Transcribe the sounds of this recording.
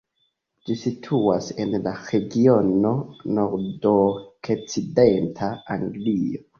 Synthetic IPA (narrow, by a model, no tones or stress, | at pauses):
d͡ʒisitʰuase̞nlaɾe̞ɡio̞no̞no̞ɾdokʰet͡side̞ntʰaaŋɡlio